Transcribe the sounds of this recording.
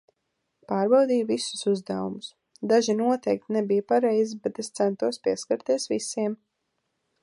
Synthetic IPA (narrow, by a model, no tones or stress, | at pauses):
paːɾbawd̪ijvisu̥suzd̪a̰wumʊs | d̪aʒinuɔt̪ɛjk̚t̪nɛbijpaɾɛjzibɛt̪est̪sɛnt̪uɔspʲiɛskaɾt̪iɛsvisiɛm